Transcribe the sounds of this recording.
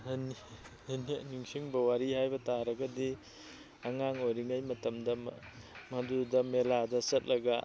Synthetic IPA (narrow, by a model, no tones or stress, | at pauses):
hɐnihɐniniŋsiŋbɐwaɾihajbɐtaɾɐɡɐdi | aŋaŋojɾiŋajmɐtɐmdɐm | mɐdudɐmeladɐsɐt̚lɐɡɐ